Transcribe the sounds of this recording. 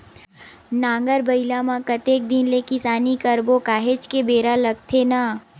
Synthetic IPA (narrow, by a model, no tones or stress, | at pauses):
nãːŋɡəɾbəɪlamãkət̪eːk̚d̪ɪnlekɪsaːnikəɾbokaːɦet͡ʃkebeːɾalɐɡ̚t̪ʰena